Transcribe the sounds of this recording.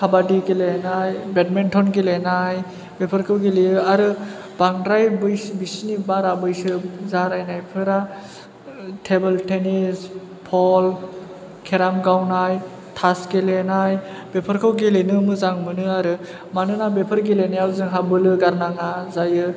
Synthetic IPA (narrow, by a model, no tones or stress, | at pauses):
kʰabadiɡelenajbet̚mentʰɔnɡelenaj | bepʰəɾkʰɯwɡeliɯaɾɯ | b̥aŋdɾajbɯjsbisnibaɾabɯjsɯzaɾajnajpʰɯɾa | tʰebeltenis | pʰɔl | kʰeɾamɡawnaj | tʰasɡelenaj | b̥epʰɯɾkʰɯwɡelenɯmɯzaŋmɯnɯaɾɯ | manɯnabepʰɯɾɡelenajawzɯŋɦabɯlɯɡaɾnaŋazajɯ